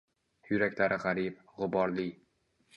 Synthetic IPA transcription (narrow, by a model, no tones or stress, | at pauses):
jʊɾakʲlaɾɪʁaɾɪp̚ | ʁʊbɒɾlɪ